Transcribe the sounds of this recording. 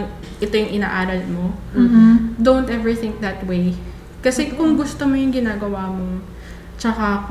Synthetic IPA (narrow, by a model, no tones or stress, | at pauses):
ŋ | ʔɛt̪o̞jʊŋʔɪnaːʔaːɾɐlmo̞ | d̪ownt̪ʔɛvɹɪθɪ̃ŋk̚d̪ɐt̪wej | kɐsɛkʊŋɡʊst̪omojʊŋɡɪnaːɡɐwaːmo̞ | t͡ʃɐka